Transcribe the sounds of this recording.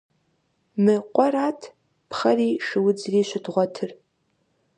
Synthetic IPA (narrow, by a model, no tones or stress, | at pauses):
mɨqʷʼɔɾaːtʰ | pχɐriːʂɨwʊd͡zriːʃʷʊdʁʷɔtʰɨr